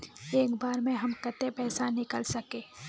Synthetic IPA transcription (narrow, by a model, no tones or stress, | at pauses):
eːkbaːɾmẽɦɐmkɐt̪epɛːsanɪkəlsɐkeː